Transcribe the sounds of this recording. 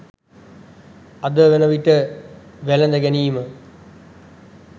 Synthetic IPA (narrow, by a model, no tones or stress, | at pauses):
ɐd̪əʋenəʋiʈəʋælɐnd̪əɡɛniːmə